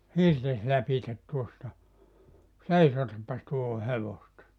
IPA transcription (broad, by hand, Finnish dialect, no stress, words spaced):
hirtes lɑpitet tuostɑ seisotɑpːɑs tuoho heʋostɑ